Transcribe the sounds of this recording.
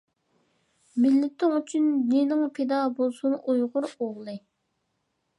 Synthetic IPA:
mɪlːɪt̪ʰːɪŋyt͡ʃʰynːenɪŋpʰed̪ɑbolˠsunʔujʁʊɾoʁlˠɨ

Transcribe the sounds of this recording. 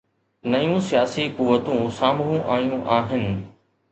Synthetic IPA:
nɐjũsijaːsikuʋːət̪ũsaːmuũʔaːijũʔaːɦɪnɪ̆

